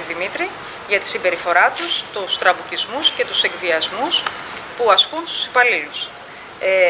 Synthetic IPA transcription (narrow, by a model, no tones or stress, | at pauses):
ðimit̪ɾi | ʝɐt̪i̥sibe̞ɾifo̞ɾɐt̪ust̪ust̪ɾɐpucizmusce̞t̪use̞ɡviɐzmuspuɐskunst̪u̥si̥pɐlilus | e